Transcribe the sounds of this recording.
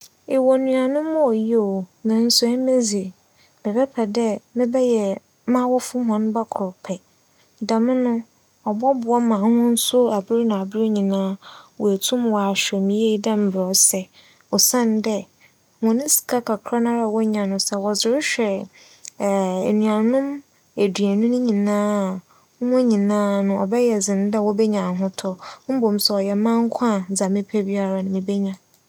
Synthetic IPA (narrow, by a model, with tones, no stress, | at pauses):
e˨wɔ˨nũ˨a˨nʊ̃˦mʊ̃˦o˨ji˦o˨nã˨n̩˦sʊ˦ɛ˦me˦zi˨e˨ | bɛ˨bɛ˦pʰɛ˨dɛ˦mɪ̃˦bɛ˦jɛ˨ | mã˦wɔ˦fʊ˦ɦɔ̃˨˦n˦ba˦kʰʊ˨ɾʊ˨pʰɛ˨ | dã˨mɪ̃˦nʊ̃˦ | ɔ˨bɔ˦bʊ˨ɔ˦mã˨hʊ̃˦n̩˦sʊ˦a˨bɪ˦ɾnã˨a˨bɪ˦ɾe˦ɲĩ˨nãː˦wʔɔ˨e˨tʰʊ̃˦mwɔ˨a˨ɕᶣɛ˨mĩ˨je˦dã˦m̩˨bɾɔ˨sɛ˦ | ɔ˨sã˦˨n˦dɛ˦ | wɔ̃˨nɪ̃˦si̥˨kʰa˦kʰa˨kʰɾa˦nã˦ɾa˨wɔ˦ɲã˨nʊ̃˨sɛ˨wɔ˨zʊ˨ɾɪ˦ɕᶣɛ˨ | e˨nɥ̃ã˨nʊ̃˦m | e˨dɥæ˨nũ˦nʊ̃˦ɲĩ˨nãː˦˨˦ | m˦ɔ̃˦ɲĩ˨nãː˦nʊ̃˨ɔ˨bɛ˦jɛ˨d͡zɪ̃˨n˦dɛ˦wɔ˦bɛ˦ɲã˨ɦʊ̃˦tʰɔ˨m̩˦bo˨m̩˨sɛ˨ɔ˨jɛ˨mã˦ŋ˦kʰã˦˨d͡za˨mɪ̃˦pʰæ˦bi˦a˨ɾa˨nʊ̃˨mɪ̃˨be˦ɲã˨